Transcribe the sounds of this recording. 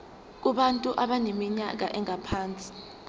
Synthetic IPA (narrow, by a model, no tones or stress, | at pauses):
k̬uɓantʼuʔaɓanemiɲak̬a̰ʔɛŋapʰaːnt͡sʼi̥